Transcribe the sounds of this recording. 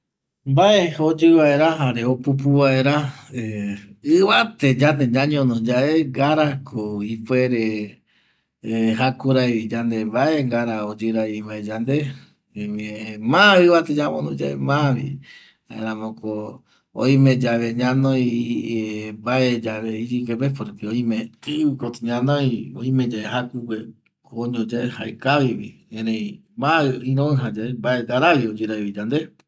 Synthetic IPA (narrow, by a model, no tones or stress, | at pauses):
mbaeod͡ʒɨβae̞ɾaɦaɾe̞opup̬uβae̞ɾa | ɨβat̪e̞d͡ʒand̪ed͡ʒãɲõnõd͡ʒae̞ŋɡaɾakʰoipwe̞ɾe | ɦakuɾajβid͡ʒand̪e̞mbae̞ŋɡaɾaod͡ʒɨɾaiβaed͡ʒand̪e̞ | emĩemãɨβat̪ed͡ʒamõnõd͡ʒaʔḛmãβḭ | aẽɾ̃ãmõko | o̰ĩmẽd͡ʒaβeɲãnõj | mbaed͡ʒaβeiɾikepepoɾekioĩmẽɨɨkot̪ɲãnõjoĩmẽd͡ʒaeɦakukʷe | koɲõd͡ʒaeha̰ekaβiβḭẽɾẽĩ | mãɨĩɾõɨ̃ɦad͡ʒaembaeŋɡaɾaβiod͡ʒɨɾaiβid͡ʒand̪e